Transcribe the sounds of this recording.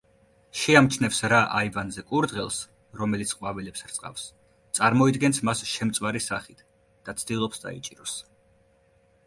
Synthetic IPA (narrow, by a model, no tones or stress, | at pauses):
ʃɛamt͡ʃʰnɛfsɾaʔaivanzɛkʼuɾd̪ʁɛlˠs | ɾɔmɛlit̪sʰqʼwavɛlɛpsɾt̪sʼqʼa̰fs | t̪sʼaɾmɔid̪ɡɛnsmasʃɛmt̪sʼvaɾisaχit̪ʰ | d̪̥at̪sʰd̪ilˠɔpsd̪a̰ḭt͡ʃʼiɾɔs